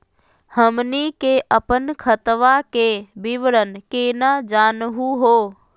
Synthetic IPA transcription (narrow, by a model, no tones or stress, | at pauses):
həmnikeʔəpənkʰət̪ʋakebɪʋəɾənkeːnad͡ʒaːnɦuɦoː